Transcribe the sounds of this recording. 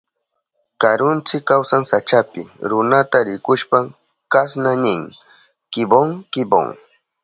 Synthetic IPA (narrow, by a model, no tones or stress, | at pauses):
kaɾʊnt͡sɪkːawsaŋsat͡ʃapɪ̰ɾʊnat̪aɾɪkʊʃpa | kasnanɪŋ | kɪboŋkɪbo̰ŋ